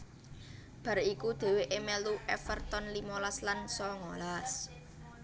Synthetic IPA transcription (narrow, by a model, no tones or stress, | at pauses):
b̥a̤ɾikud̪̥e̤weʔemɛluʔɛfərt̪ɔnlimɔlaslansɔŋolas